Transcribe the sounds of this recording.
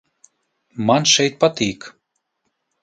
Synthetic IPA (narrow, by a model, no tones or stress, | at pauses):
mɑnʃɛjt̪̚pat̪ik